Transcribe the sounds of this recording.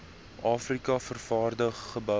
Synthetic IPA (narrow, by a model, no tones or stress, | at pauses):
ʔɑːfrikɐfərfɑːrdəχːəbœ